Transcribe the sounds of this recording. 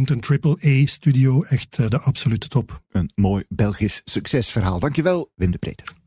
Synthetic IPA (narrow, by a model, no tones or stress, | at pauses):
mtəntɹɪpəleːstydioːɛxtːdəʔɑpsolytə̥tɔpənmoːjbɛlˠɣissɵksɛsfərɦaːlˠdɑŋkjəʋɛlˠʋɪmdəprḛːtər